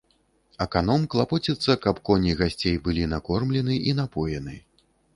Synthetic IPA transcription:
ɐkanɔmklˠapɔt͡sʲɛt̪sːɐkɐpkɔnʲiɣasʲt͡sʲejbɨlʲinakɔrmlʲɛnɨin̪apɔjɛnɨ

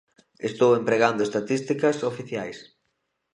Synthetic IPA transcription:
est̪owempɾeɣand̪oest̪at̪ist̪ikɐsofiθjajs

